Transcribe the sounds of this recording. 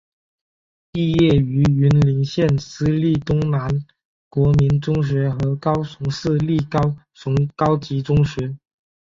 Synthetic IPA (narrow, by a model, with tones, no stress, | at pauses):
pi˥˧jɛ˥˩y˧˥y˧˥nli˧˥ŋɕjɛ˥˩nsɹ̩˥li˥˩t̪ʊ˥ŋna˧˥n | kwɔ˧˥mi˧˥nt͡sʊ˥ŋɕ̬ɥɛ˧˥xɤ˧˥kɑ˥ʊsʊ˧˥ŋʂɹ̩˥˧li˥˩kɑ˥ʊ | sʊ˧˥ŋkɑ˥ʊt͡ɕi˧˥t͡sʊ˥ŋɕɥɛ˧˥